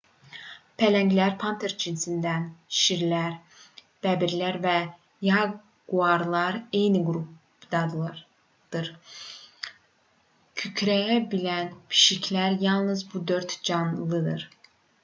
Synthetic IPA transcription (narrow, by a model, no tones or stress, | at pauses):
pʰælæɲɟlæɾpʰɑnt̪ʰeɾt͡ʃʰinsind̪ænʃiɾlæɾ | b̥æbiɾlæɾvɛ | jɑ | ɡ̥uɑɾlˠɑɾejniɡɾup | d̪ɑd̪lˠ | d̪̥ɯɾ | cʰycʰɾæjæbilænpʰi̥ʃicʰlæɾjɑlˠnɯzbud̪ø̞ɾt̪d͡ʒɑnlˠɯd̪ɯ̰ɾ̥